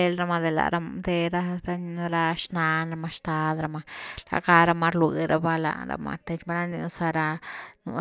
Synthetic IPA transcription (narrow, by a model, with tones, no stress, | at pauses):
e˦lɾa˧ma˧d̪e˨la̰˨ɾa˧md̪e˧ɾa˧ɾa˦ni˧nu˧ɾa˧ʃna˧na˧ma˧ʃt̪a˧d̪ɾa˧ma˧la̰˧ka˧ɾa˧ma˧ɾlwi˨ɾa˧ba˧la̰˧ɾa̰˧ma̰˧t̪e˧t͡ʃba˧ɾa˦ni˧nu˧sa˧ɾa˧nṵ˧